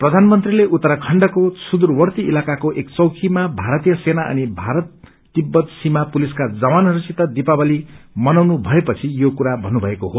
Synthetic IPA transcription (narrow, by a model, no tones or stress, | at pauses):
prʌd̪ʱanmʌnt̪rileʔut̪ːʌɾʌkʰʌɳɖʌkosud̪urwʌrt̪iilakakoʔekt͡sʌwkʰimabʱaɾʌt̪ijʌsenaʔʌ̰nibʱaɾʌt̪ː | ibːʌt̪simapuliskad͡zʌwanʌɾisit̪ːʌd̪ipabʌlimʌnawnubʱʌepʌt͡sʰijokuɾabʱʌnːubʱʌekoɦo